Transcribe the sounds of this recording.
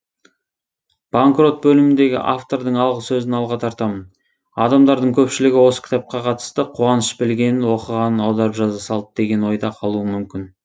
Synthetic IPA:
b̥aŋkro̞t̪̚bɵlɪmɪnd̪e̞ɡʲɪ̰ʔaft̪o̞ɾd̪əɴɑlˠʁəsɵzɪnɑlˠʁɑt̪ʰɑɾt̪ɑmən | ɑ̰d̪ɑmd̪ɑɾd̪əɴkʲʰɵpʃɪlɪɡʲɪwo̞sə̥kʲʰt̪ap̚qɑqʰɑt̪ə̥st̪əqʰuɑnəʃbɪlɡʲe̞nɪnwo̞qəʁɑnənɑwd̪ɑɾəpʒɑzɑsɑlˠəp̚d̪̥e̞ɡʲe̞nwo̞jd̪ɑqʰɑlˠuəmʏmkʲɪn

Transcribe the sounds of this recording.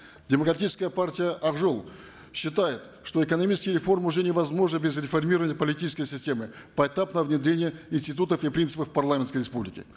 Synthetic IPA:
dʲɪməkɾɐtʲit͡ʃɪ̥skəjəpartʲɪjəʔɐʁʐolˠ | ɕːɪt̪ajɪt̪ | ʂt̪o̞ɪkənɐmʲit͡ʃɪskʲɪjəɾʲɪfo̞rmʊʐɛnʲɪvɐzmo̞ʐnəbʲezɾʲɪfɐrmʲiɾəvənʲɪjəpəlʲɪtʲit͡ʃɪ̥skəjsʲɪsʲtʲe̞mɨ | pəɛt̪apnəvnʲɪd̪ɾʲenʲɪjəɪnsʲtʲɪt̪̬ut̪əfipɾʲinsɨpəfpɐrlˠamʲɪnskəjɾʲɪspublʲɪkʲɪ̰

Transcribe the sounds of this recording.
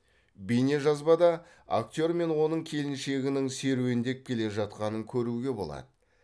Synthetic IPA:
bijne̞ʒɑzbɑd̪ɑ | a̰k̚t̪ʲo̞ɾme̞nwo̞nəɴkʲʰe̞lɪnʃe̞ɡʲɪnɪŋse̞ɾuwɪnd̪e̞kʲʰe̞le̞ʒɑt̪qɑnəŋkʲʰɵɾuɡʲe̞bo̞lˠɑ̰d̪ə

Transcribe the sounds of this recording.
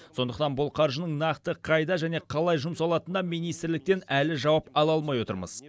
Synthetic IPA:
so̞nd̪əqt̪ɑnbʊlˠqʰɑɾʒənəɴnɑqt̪əqʰɑjd̪ɑʒæne̞qʰɑlˠɑjʒʊmsɑlˠɑt̪ənɑminijst̪ɪɾlɪk̚t̪e̞nælɪʒɑwɑpɑlˠɑlˠmɑjwo̞t̪əɾmə̰z̥

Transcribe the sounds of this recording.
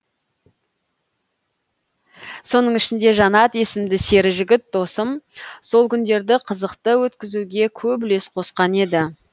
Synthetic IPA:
so̞nəɴɪʃɪnd̪e̞ʒɑnɑt̪je̞sɪmd̪ɪse̞ɾɪʒɪɡʲɪt̪̚d̪o̞səmso̞lˠkʲʰʏnd̪e̞ɾd̪ɪqʰəzəqt̪əwɵt̪kʲɪzuɡʲe̞kʲʰɵple̞sqʰo̞sqɑne̞d̪ɪ

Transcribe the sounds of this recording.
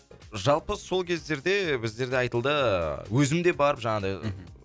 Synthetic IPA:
ʒɑlˠpəso̞lˠkʲʰe̞zd̪e̞ɾd̪e̞bɪzd̪e̞ɾd̪eɑjt̪əlˠd̪əwɵzɪmd̪e̞bɑɾəpʒɑɴɑd̪ɑj

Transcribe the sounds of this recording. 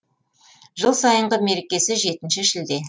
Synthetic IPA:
ʒəlˠsɑjəɴʁəme̞ɾekʲe̞sɪʒe̞t̪ɪnʃɪʃɪld̪e̞

